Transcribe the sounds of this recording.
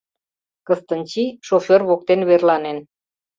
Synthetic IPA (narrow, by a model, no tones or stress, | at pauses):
kə̆st̪ə̆nt͡ɕiʃoferβok̚t̪enβerlɑnen